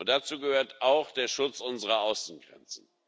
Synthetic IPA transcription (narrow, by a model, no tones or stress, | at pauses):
ʊntd̥at͡suːɡəhøːɐtaʊxd̥eːɐʃʊt͡sʔʊnzəʁɐaʊsn̩ɡʁɛ̰nt͡sn̩